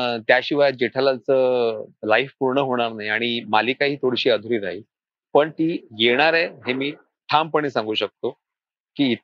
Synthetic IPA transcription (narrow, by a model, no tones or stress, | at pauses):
t̪jaɕiʋajd͡ʑeʈʰalat͡səːlaifpuɾɳəɦoɽ̃aɾnaɦiaɽ̃imaliːkaɦiːt̪ʰoɽɕiːəd̪ʱuɾiːɾaɦiː | pəɳt̪iːjeɽ̃aɾeɦemiː | ʈʰampəɳ̃iːsãŋɡuːɕək̚t̪o | kiːt̪